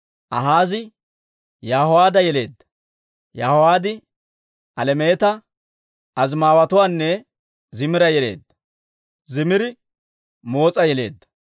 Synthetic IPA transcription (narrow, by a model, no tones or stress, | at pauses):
ʔɐɦaːzɪ | jaːhʊwaːd̪ɐjɛle̞̰ːd̪ːɐ̥ | jaːhɔwaːd̪ɪ | ʔɐlɛmeːt̪ɐ | ʔɐzmaːwɐt̪ʊwaːnːɛ | zɪmɪɾɐjɛle̞̰ːd̪ːɐ̥ | zɪmɪɾɪ | mo̞ːt͡sʼɐjɛle̞̰ːd̪ːɐ̥